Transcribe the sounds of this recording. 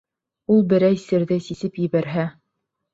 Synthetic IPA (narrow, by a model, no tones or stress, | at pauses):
ulˠbɘ̆ɾæjsɘ̆ɾðɘsisɘpjɘ̆βæɾɦæ